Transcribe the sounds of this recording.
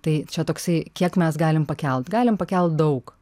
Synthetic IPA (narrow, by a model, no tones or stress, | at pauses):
t̪ɐɪt͡ʃʲɛt̪oːksɐɪkʲiɛkmʲɛsɡɑːlʲɪmpɐkʲɛlˠt̪ɡɑːlʲɪmpɐkʲɛlˠt̪̚d̪ɐʊk